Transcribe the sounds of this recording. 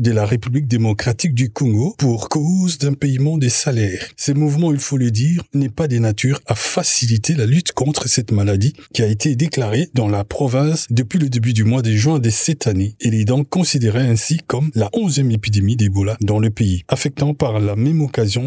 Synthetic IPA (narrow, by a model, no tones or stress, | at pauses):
d̪əlaʁepyblik̚d̪emɔkχat̪ik̚d̪ykɔ̃ɡopuʁkozd̪ɛ̃peimɑ̃d̪əsalɛːʁsəmuvmɑ̃ilfoləd̪iːʁnɛpad̪enat̪ʰyːʁafasilit̪ʰelalyt̪kɔ̃t̪χəsɛt̪malad̪ikʲiaet̪ʰed̪eklaʁed̪ɑ̃lapχɔvɛ̃sd̪əpɥiləd̪ebyd̪ymwad̪əʒwɛ̃d̪əsɛt̪ʰaneeled̪ɑ̃kɔ̃sid̪eʁɛɛ̃sikɔmlaʔɔ̃zjɛmepid̪emid̪ebɔlad̪ɑ̃ləpeiafɛk̚t̪ɑ̃paʁlamɛmɔkazjɔ̃